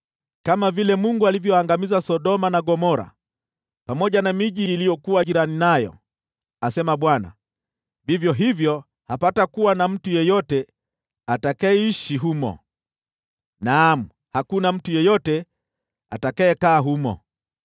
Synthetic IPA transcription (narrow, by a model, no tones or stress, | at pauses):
kamavilɛmuŋɡualivjɔaŋɡamizasɔɗɔmanaɠɔmɔɾa̰ | pamɔʄanamiʄiːlijɔkuwaʄiɾaninajɔ̰ | asɛmaɓwana̰ | vivjɔɦivjɔ | hapatakuwanam̩tujɛjɔtɛ | atakaɛiʃiɦumɔ̰ | nam̩ | hakunam̩tujɛjɔtɛ | a̰takaɛkaːɦumɔ̰